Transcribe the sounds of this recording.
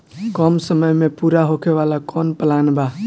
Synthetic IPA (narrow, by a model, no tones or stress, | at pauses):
kɔmsəməjmẽpuɾaɦokʰeʋalakɔːnpəlaːnba